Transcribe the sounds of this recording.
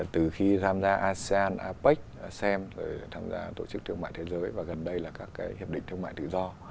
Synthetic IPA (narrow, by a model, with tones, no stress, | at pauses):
t̪ɨ˨˩xi˧t̪ʰaː˧mzaː˧ʔaː˧sɛ˧aː˧nʔaː˧pa˦˥k̟̚sɛ˧mzo˨˩jt̪ʰaː˧mza̰ː˧t̪o̰˧˩t͡ɕɨ˦˥kt̪ʰɨ˧əma̰ː˧˨jt̪ʰe˨˦zəː˨˦jvaː˨˩ɣə˨˩nɗə˧jlaː˨˩kaː˦˥kːaː˨˦jhi˨˩əp̚ɗḭ˧˨ŋt̪ʰɨ˧əma̰ː˧˨jt̪ɨ̰˧˨zɔ˧